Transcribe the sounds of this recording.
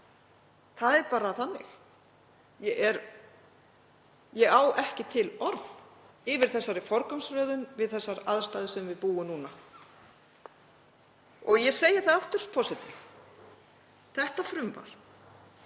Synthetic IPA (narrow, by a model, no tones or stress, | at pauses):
θaðɛɾpaːɾaθanːɪ̰x | jɛʔɛɾ | jɛɣaːwʔɛhcɪt̪ʰɪlɔɾð | ɪvɪɾ̥θɛsːaɾɪfɔɾkɔmsfɾœːðʏnvɪðθɛsːaɾaðst̪aːðɪsɛmvɪðpuːʏmnuːna | ɔɣjɛseːjɪɾ̥θaaft̪ʏɾ̥pʰɔsɪt̪ʰɪf | θɛht̪afɾʏmva̰ɾ̥